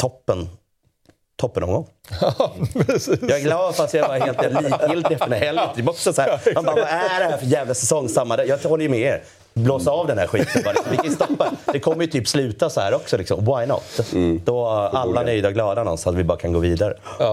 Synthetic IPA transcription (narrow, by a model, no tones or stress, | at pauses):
t̪ʰɔpːən | t̪ʰɔpːənɔ̰ŋɡɔŋː | ɛsjɑːɡlɑːd̪fast̪jaɡɑːɾheːlt̪jaliːɪlt̪ɛft̪əɖɛhɛlːɪt̪ʰːɪlbɔksɔsɔhæːɾmanbaːɾvaæɖɛhæːɾfœɾjɛːvlasɛsɔŋːsamːad̪ɛjɑːhɔlːəjəmɛeɾ | bloːsaɑːvd̪ɛndæɾɧit̪əbɑːɾlɪksɔmvɪkʰajst̪ɔpːad̪ɛkʰɔmːɾjət̪ʰyːpslʉ̟ːt̪asɔhæ̰ːɾɔksɔlɪksɔmwajnɔ̰t̪ːd̪̥ɔalːaœjd̪aɡlɑːd̪anɔ̰nsat̪vɪbɑːɾakʰanɡoːviːd̪aɾə̰